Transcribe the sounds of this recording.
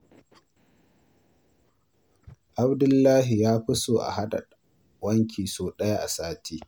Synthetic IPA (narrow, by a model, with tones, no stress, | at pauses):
ʔa˦bdʊ˦lːaː˦ɦi˨jaː˦ɸɪ˦soː˨ʔa̰˨ha˦ɗa̰˨ | wɐ˦ŋkʲiː˨soː˨ɗɐ˦ja˦ʔa̰˨saː˦tʰiː˦